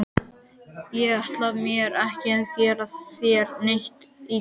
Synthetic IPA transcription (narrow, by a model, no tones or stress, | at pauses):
jɛɣaht̪lavmjɛɾɛhcɪɛðcɛːɾaθjɛɾnejht̪i